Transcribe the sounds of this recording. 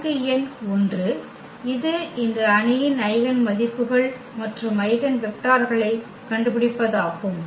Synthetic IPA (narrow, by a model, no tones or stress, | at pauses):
ðɪjɐnɔndrɯ | ɪðɯɪndrɐːnɪjɪnɐɪʋɐnmɐðɪpːɯɣɐɭ | mɐʈrɯmɐɪðɐnʋɛk̚ʈaːɾɣɐɭɐɪ | kɐɳɖɯpɪɽɪpːɐðaːɣɯm